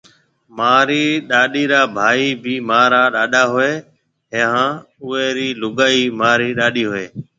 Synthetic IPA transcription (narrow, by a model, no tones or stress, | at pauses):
maːɾiːɗaːɗiːɾaːbʱaːiːbʱiːmaːɾaːɗaːɗaːɦʊeː | ɦeɦãː | ʊeːɾiːlʊɡaːiːmaːɾiːɗaːɗiːɦʊeː